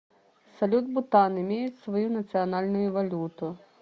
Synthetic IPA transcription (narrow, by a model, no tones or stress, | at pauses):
sɐlʲud̪bʊt̪ɑnɪmʲijʊtʲsʋɔjunɐt̪sʲɨɔnɑlʲnʊjʊʋɐlʲut̪ʊ